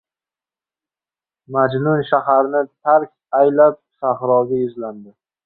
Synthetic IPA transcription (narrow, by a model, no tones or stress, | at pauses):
mad͡ʒnʊnʃahaɾnɪt̪ʰaɾkʲajlap̚saχɾɒɡʲajʊzland̪ɪ